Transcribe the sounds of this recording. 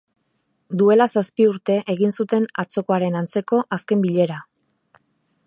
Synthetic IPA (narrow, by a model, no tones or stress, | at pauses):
d̪ue̞lasaspiuɾt̪e̞ʔeɣinsut̪e̞nat͡so̞ko̞aɾe̞nant͡se̞ko̞ʔaske̞mbiʎe̞ɾa